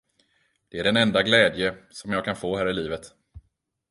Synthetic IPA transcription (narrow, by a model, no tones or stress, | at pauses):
d̪̥ɛæɖɛnɛnd̪aɡlɛːd̪jəsɔmjɑːɡ̚kʰanfoːɦæːɾɪliːvət̪